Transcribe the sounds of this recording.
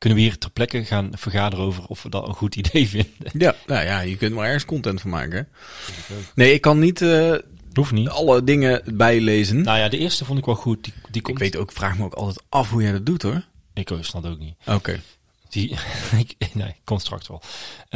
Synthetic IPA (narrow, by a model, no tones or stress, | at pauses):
kɵnəʋəɦiːɹrtɛɹplɛkəɣaːnv̥ərɣaːdərəowvərɔfʋədɑ̰tə̰nɣutidejvɪndəjanajaːjəkɵntmaːɹɛɹχənskɔntɛntfʊma̰ːkə | onejɪkːɑnːit | ɦufniɑlədɪŋəbɛjlejzənnajaːdəʔɪːɹstəvɔntɪkʋɛlˠɣut̚did̥ikɪkʋejtowkfraːxməoʊkɑ̰lˠtɛjtʔɑfɦujɛjdɑdutɦoɹ | ɪkosnɑtowk̚nito̰kḛj | d̥iɪknejkːɔnstrɑ̰k̚tʋɛ̰lˠ